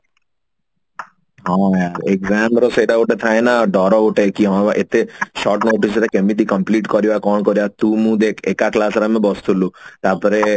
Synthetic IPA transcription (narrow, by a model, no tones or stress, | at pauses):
ɦãjaɾekzamɾosɔid̪auʈet̪ʰaenaɖɔɾɔuʈekiɦɔʋaʔet̪eʃɔɾʈnoːʈisɾekemit̪̬ikəmpliʈkɔɾjakɔɳkɔɾjat̪ũmũːd̪ekʰekaklasɾamẽbɔst̪ʰulũt̪apɔɾe